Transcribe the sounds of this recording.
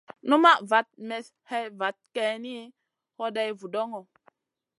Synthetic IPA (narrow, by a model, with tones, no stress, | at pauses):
nu˦ma˦va˨˦t̚mɛ˨s | he˦va˨˦t̚ke˦ni˦ | ho˦da˦jvu˨do˦ŋo˨